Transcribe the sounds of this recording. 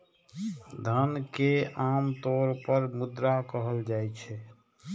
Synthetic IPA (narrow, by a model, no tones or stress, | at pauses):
d̪ʱənkeamt̪oɾpəɾmud̪ɾakəɦəld͡ʒajt͡ʃʰɛ